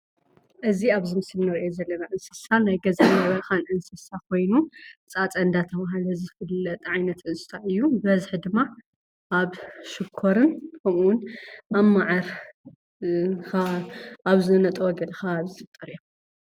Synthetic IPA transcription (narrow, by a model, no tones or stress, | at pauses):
ʔɨziaβzɨmɨslnɐɾiʔozɐlːɐnaʕɨnsɨsanajɡɐzanɐβɐɾxanʔɨnsɨsakʰo̞jnut͡sʼat͡sʼɐnd̪at̪ʰɐβaɦlɐzɨfɨlːɐt̪ʼʕajnɐt̪ɨnsʼɨ̥sʰaɨjːubɐzħd̪ɨmːa | ʔaβʃɨkʰːoɾɨnkʰɐmuwʊnʔamaʕɐɾ | xaaβzɨnɐt̪ʼwɔɡɐlxaβzɨɨt̪ʼɐɾjo